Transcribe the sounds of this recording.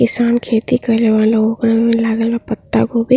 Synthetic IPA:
ɪsaːnkʰeːt̪ikəɾleʋaːlaokɾəŋmẽlaːɡelapət̪ːa̰ɡobe

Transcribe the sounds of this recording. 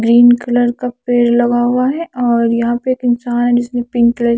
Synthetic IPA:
ɡɾiːnkɪləɾkapeːɾlɐɡaɦuaɦɛʔɔːɾjɐɦãpeeːkɪnsaːnɦɛd͡ʒɪsmẽpɪ̃ŋklə

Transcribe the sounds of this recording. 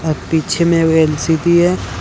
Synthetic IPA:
ɔɾpiːt͡ʃʰemẽelsiʈ̪iɦɛ

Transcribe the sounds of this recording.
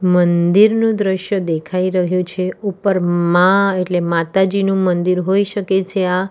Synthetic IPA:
mənd̪iɾnũd̪ɾəʃjəd̪ekʰaiɾəɦjũt͡ʃʰeupəɾmãeʈlemat̪ad͡ʒinũmənd̪iɾɦoiʃəket͡ʃʰea

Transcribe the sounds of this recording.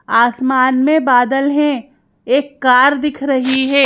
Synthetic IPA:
aːsmaːnmẽbaːd̪əlɦɛ̃ | eːkːaːɾd̪ɪkʰɾɐɦiɦɛː

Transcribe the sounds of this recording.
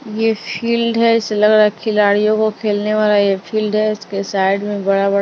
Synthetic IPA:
jefʰiːlɖɦɛɪselɐɡɾakʰɪlaːɽijõkokʰeːlneʋaːlajefʰiːlɖɦɛɪskesaːɪɖmẽbɐɽabɐɽ

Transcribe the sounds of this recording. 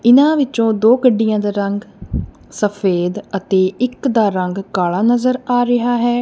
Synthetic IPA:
ɪnãːʋɪt͡ʃõːd̪oːkəɖːɪjãːd̪aːɾəŋɡ | səpʰeːd̪ət̪eːɪkd̪aːɾəŋɡkaːlaːnəzəɾaːɾɪɦaːɦɛː

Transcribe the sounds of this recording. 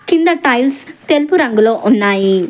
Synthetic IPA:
kind̪ɐʈɐjlst̪elpuɾɐŋɡuloːʔunːaːji

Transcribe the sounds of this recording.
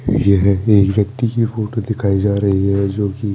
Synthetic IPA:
jeɦɛeːkʋjɐkt̪ikifoːʈod̪ɪkʰaːid͡ʒaːɾɐɦiɦɛd͡ʒoːki

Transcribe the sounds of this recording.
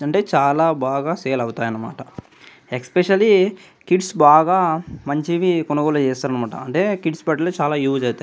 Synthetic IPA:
ɐɳʈe̞ːt͡ʃaːlaːbaːɡaːseːlɐwut̪aːjɐnːɐma̰ːʈɐ | ekspeʃɐli | kiɖsbaːɡaːmɐɲt͡ʃiʋikɔnɐɡɔːlut͡ʃɛːst̪aːɾɐnɐmaːʈɐ̰ɐɳʈe̞ːkiɖsbɐʈloːt͡ʃaːlaːjuːd͡ʒɐwt̪aː

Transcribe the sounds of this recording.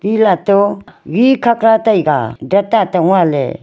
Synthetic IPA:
pilat̪oɡikʰaklat̪ajɡa̰dat̪at̪aŋalḛ

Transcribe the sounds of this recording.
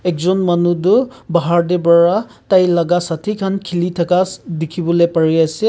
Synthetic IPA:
ɛkzɔnmanudʊbaɦaɹdɛbaɹa | tajlaɡasatʰikʰankʰilitʰakadikʰibɔlejpaɹiasɛ

